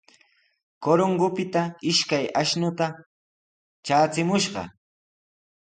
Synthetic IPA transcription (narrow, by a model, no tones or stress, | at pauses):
koɾoŋɡʊpɪt̪aɪʃkajaʃnʊt̪a | t͡ʃaːt͡sɪmʊʃɢɑ̰